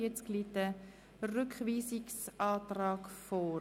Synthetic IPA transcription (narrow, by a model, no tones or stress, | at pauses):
ɛt͡sklitə | rʏkχʋiːsɪksʔɑːtrɑːkfoː